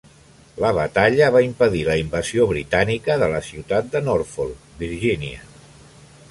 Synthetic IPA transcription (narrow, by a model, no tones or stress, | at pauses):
ləβət̪aʎəβaimpəðiləimbəzioβɾit̪anikəðələsiwt̪at̪̚d̪ənoɾfolˠ | biɾʒiniə